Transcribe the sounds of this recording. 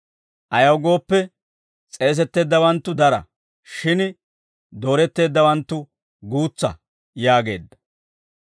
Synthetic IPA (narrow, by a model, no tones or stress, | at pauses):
ʔɐjɐwɡo̞ːpːɛ | t͡sʼe̞ːs̬ɛt̪ːe̞ːd̪ːɐwɐnt̪ːʊd̪ɐɾɐ̰ | ʃɪn | d̪o̞ːɾɛt̪ːe̞ːd̪ːɐwɐnt̪ːʊ | ɡuːt͡sːɐ̰ | jaːɡe̞̰ːd̪ːɐ̥